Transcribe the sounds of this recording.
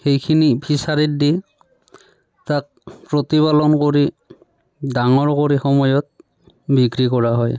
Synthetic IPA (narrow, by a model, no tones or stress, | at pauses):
xejkʰinipʰisaɹit̚di | tak̚pɹotipalɔnkoɹi | daŋɔɹkoɹixɔmɔjɔt̚ | bikɹikɔɹaɦɔj